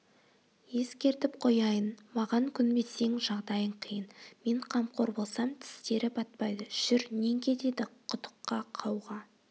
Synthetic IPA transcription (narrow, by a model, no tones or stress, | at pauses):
je̞skʲe̞ɾt̪ɪp̚qʰo̞jɑjənmɑʁɑŋkʲʰʏnbe̞se̞ŋʒɑʁd̪ɑjəɴqʰəjənme̞ɴqʰɑmqʰo̞ɾbo̞lˠsɑmt̪ʰɪ̥st̪e̞ɾɪbɑt̪̚pɑjd̪əʒ̥ʏɾne̞ŋkʲʰe̞t̪e̞d̪ɪqʰʊt̪ə̥qːɑqʰɑwʁɑ